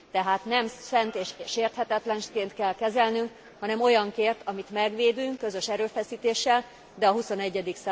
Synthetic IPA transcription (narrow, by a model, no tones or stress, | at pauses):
t̪ɛɦaːt̪nɛmsɛnt̪eːʃʃeːrt̪hɛt̪ɛt̪lɛnʃkeːnt̪kɛlkɛzɛlnyŋk | hɒnɛmo̞jɒŋkeːrt̪ɒmit̪mɛɡʋeːd̪yŋkːøzø̞ʃɛɾøːfɛsiːt̪eːʃːɛl | d̪ɛɒɦuso̞nɛɟːɛd̪iksa